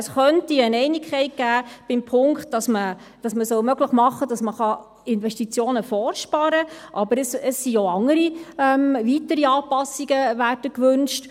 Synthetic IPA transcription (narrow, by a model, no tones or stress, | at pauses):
əsχœntiənɛɪnikχɛɪt̚ɡ̥æːb̥ɪmpʰʊŋkt̚dɑsmə | d̥ɑsməsœlmœɡləχmɑχːədɑsməχɑ | ɪnvɛstit͡sjoːnəfɔːɾʃpɑɾəʔɑbəɾəsəsːioɑŋːəɾiɛmvitəɾiɑːpɑsiɡ̥əʋæːɾdəkʋʉnʃt